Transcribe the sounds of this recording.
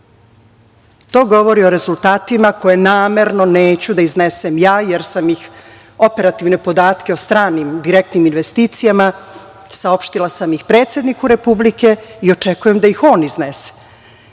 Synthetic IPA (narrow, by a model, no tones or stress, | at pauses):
t̪o̞ːɡo̞ʋo̞ɾio̞ɾe̞zulˠt̪aːt̪imako̞je̞naːme̞ɾno̞ne̞ːt͡ɕud̪aizne̞semjaːjeɾsamjix | o̞pe̞ɾat̪iʋne̞po̞d̪aːt̪ke̞ost̪ɾaːnimd̪iɾek̚t̪niminʋe̞st̪iːt̪sijama | sao̞pʃt̪ilˠasamjixpɾe̞ːt̪sje̞d̪nikuɾe̞publike̞io̞t͡ʂe̞kuje̞md̪ajixo̞ːniznese̥